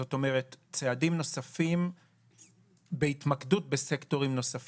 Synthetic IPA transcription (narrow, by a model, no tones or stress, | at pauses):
o̞to̞me̞ʁett͡seadimno̞safim | beit̪makdut̚besekto̞ʁimno̞saf